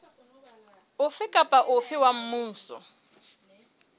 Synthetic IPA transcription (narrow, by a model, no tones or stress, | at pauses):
ʊfɪkʼapʼaʔʊfɪwam̩muːn̩sɔ̰